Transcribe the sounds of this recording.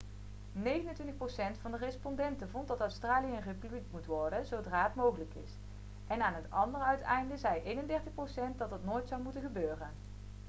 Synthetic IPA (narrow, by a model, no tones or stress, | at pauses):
nejɣənəntʋɪntəxprowsɛntfɑndərɛspɔndɛntəvɔnt̚dɑtœwstraːlijəənrepybliktmutʋɔɹdəzowdraːɦətmowɣələkɪ̰s | ʔɛnaːnɦətɑndərəœɥtɛ̰jndəzɛjʔejnəndɛɹtəxprowsɛnt̚dɑtɦətnoːjtsɑwmutənɣəbøːrən